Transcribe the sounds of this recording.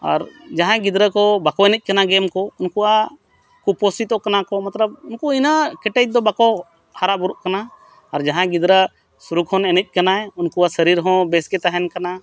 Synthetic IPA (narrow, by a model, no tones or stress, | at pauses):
a̰ɾd͡ʒaɦãɡid̪ɾəkɔbakɔɛnɛc̚ˀkanaɡɛmkɔunkuʔa | kupɔsit̪ɔkanakɔmat̪ləb̚unkuinakɛʈɛc̚d̪ɔbakɔ | haɾaʔbuɾuʔkanaː | ɾd͡ʒaɦãɡid̪ɾə | suɾukʰhɔnɛnɛc̪̚ˀkanaunkuwasəɾiɾɦɔ̃bɛsɡɛt̪aɦɛnkana